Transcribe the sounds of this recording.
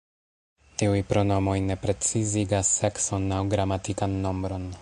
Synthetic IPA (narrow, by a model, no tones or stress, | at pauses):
tiujpɾo̞no̞mo̞jne̞pɾe̞t͡siziɡasːe̞kso̞nːawɡɾamatikanːo̞mbɾo̞n